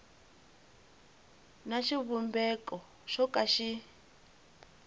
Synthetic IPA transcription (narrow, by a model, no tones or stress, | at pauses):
naʃiβumbɛkɔ | ʃɔkaʃi